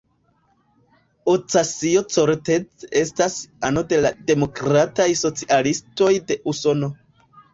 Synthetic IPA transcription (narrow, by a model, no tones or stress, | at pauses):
ot͡sasiot͡soɾte̞t͡se̞stasano̞de̞lade̞mo̞kɾatajso̞t͡siʔalisto̞jde̞ʔuso̞no̞